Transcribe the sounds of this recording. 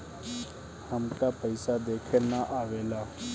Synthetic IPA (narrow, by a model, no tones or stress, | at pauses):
həmkaːpəɪsad̪eːkʰenaʔaːʋeːlaː